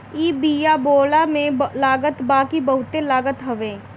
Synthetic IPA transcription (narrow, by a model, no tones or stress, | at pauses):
iːbiːjaboːlamẽlaːɡət̪baːkibəɦʊt̪elaːɡət̪ɦɐʋẽː